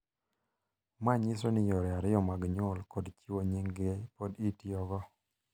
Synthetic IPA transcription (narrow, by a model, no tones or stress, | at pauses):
maɲisonɪjɔɾɛaɾɪjɔmaɡɲʊlkɔdt͡ʃiwoɲiŋɡepoditjɔɡɔ